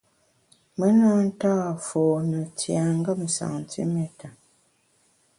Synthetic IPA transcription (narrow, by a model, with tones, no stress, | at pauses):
mə˦na˦n̩˦ta˦˨foː˨nə˨tja˨ŋ˦ɡə˦m̩˨sa̰˨ŋ˨tʰḭ˦mɛ˦ta˨